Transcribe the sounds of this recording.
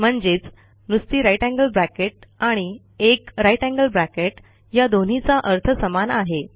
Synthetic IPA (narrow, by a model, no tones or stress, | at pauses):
m̤əɳd͡zeːt͡s | nust̪iːɾajʈæ̃ŋɡəlbɾækeʈ̚aɽ̃i | ekɾajʈæ̃ŋɡəlbɾækeʈ | jad̪on̤it͡saʔəɾt̪ʰəsəmanaɦe